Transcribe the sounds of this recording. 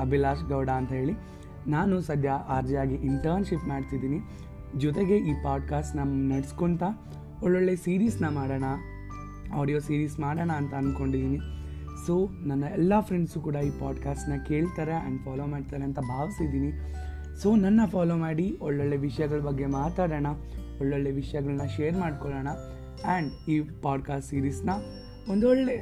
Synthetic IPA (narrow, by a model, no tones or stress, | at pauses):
ɐbilaːʃɡɐwɽaːnt̪ɐɦe̞ːɭi | naːnusɐd̪ʱjɐʔaːɾd͡ʒɐjaːɡiʔiɳʈɐɾnʃipmaːɽt̪id̪iːni | d͡ʒɔt̪eɡe̞ʔiːpaːɖ̚kaːsʈnɐnɐɽskont̪ɐ | ɔɭːɔɭːe̞siːɾiːsnɐmaːɽɐɳɐ | aːɽijoːsiːɾiːsmaːɽɐɳɐːnt̪ɐːnko̞ɳɖid̪iːni | so̞ːnɐnːɐɛlːapʰɾeɳɖsukuːɽɐiːpaːɖkaːsʈnɐke̞ːɭt̪aːɾe̞ɐ̰ɳɖpʰaːloːmaːɖt̪aːɾeɐnt̪ɐbʱaːʋisid̪iːni | soːnɐnːɐpʰaːloːmaːɽiɔɭːoɭːe̞ʋiʂɐjɐɡɐɭɐbɐɡːe̞maːt̪aːɽɐɳɐɔɭːoɭːeʋiʂɐjɐɡɐɭnːɐʃeːɾmaːɖkoɭɐɳɐ | ɐːɳɖiːpaːɖkaːsʈsiːɾiːsnɐ | ond̪ɔɭːe̞